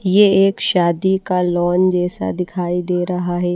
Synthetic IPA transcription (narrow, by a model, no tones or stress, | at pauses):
jeeːkʃaːd̪ikalɔːnd͡ʒɛːsa̰d̪ɪkʰaːid̪eːɾɐɦaɦɛː